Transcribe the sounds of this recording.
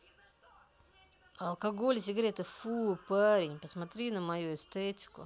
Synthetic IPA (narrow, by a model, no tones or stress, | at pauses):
ɐlˠkɐɡolʲs̬ʲɪɡɾʲet̪ɨfupaɾʲɪnʲpəsmɐt̪ɾʲinəmɐjuɪst̪ɛtʲɪ̥kʊ̰